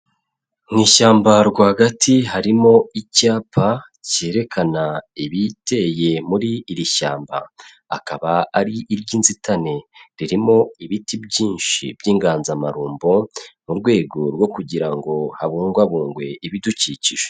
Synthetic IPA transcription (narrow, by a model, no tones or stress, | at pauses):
ŋ̥iːʃaːmbaɾɡwaːhaɡatʰiɦaɾimo̞icaːpʰa | ce̞ːɾe̞kʰanaiβite̞je̞muɾiːɾiʃaːmba̰ː | kaβaaɾiʔːɾɟiːnzitʰane̞ɾiɾimo̞iβitibɟiːnʃḭbjiːŋɡaːnzamaɾuːmbo̞muɾɡwe̞ːɡo̞ɾɡo̞kuɟiɾaŋɡo̞haβuːŋɡwaβuːŋɡwe̞iβiduciciʒ̥e